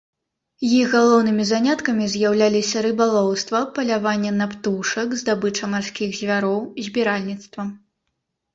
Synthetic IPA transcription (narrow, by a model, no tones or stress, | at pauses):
jixɣalˠɔwnɨmʲizanʲat̪kɐmʲizʲjawlʲalʲisʲɐɾɨbalˠɔwst̪vɐpɐlʲavanʲːɛnapt̪uʂɐkzd̪abɨt͡ʂɐmarsʲkʲiɣzʲvʲaɾɔwzʲbʲiɾalʲnʲit̪st̪vɐm